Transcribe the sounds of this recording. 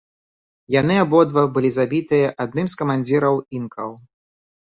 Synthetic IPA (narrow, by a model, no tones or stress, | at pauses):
janɨabɔd̪vɐbɨlʲizabʲit̪ɨjɐʔad̪̚nɨmskɐmanʲd͡zʲiɾɐwinkɐw